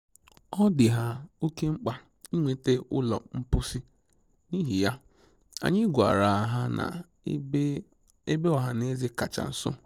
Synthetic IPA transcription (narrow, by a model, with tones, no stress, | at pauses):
ɔ˦dɪ˨ɦa˦o˦ke˦ŋ͡m̩˦k͡pa˨ | i˦ŋʷe˨te˦ʊ̰˦lɔ̰˨m̩˦pʊ˦si˦ | ni˦ɦi˨ja˦ | a̰˨ɲɪ˦ɡʷa̰˨ɾa˨a˨ɦa˦na̰˨˦ | e˦be˦ɔ˨ɦa˨ne˦zɪ˦ka˨t͡ʃa̰˨n̩˨sʊ̰˦